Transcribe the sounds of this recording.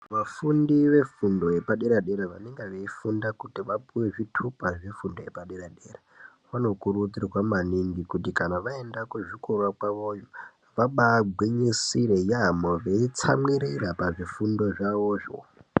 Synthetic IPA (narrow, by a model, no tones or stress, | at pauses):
ʋafundiʋe̞fundo̞je̞paɗeɾaɗeɾaʋa̰ne̞ŋɡeʋeifundakutiʋapuwe̞ʐitʰupaʐefundo̞je̞paɗeɾaɗera | ʋano̞kurutirwamaniŋɡikutikanaʋae̞ndakuʐikurwakwaʋo̞jo | ʋaɓaːɡʱwiɲisiɾejaːmoʋeit͡sa̰mwiɾiɾapaʐifundo̞ʐaʋoːʐo̰